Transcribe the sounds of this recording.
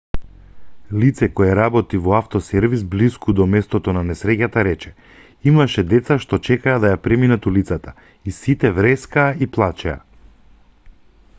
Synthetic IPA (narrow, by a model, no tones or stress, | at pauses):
lit̪sɛkɔjɛɾabɔt̪ivɔaft̪ɔsɛɾvisbliskud̪ɔmɛst̪ɔt̪ɔnanɛsɾɛcat̪aɾɛt͡ʃɛ̥ | imaʃɛd̪ɛt̪saʃt̪ɔt͡ʃɛkaːd̪ajapɾɛminat̪ulit̪sat̪a | isit̪ɛvɾɛskaːiplˠat͡ʃɛa̰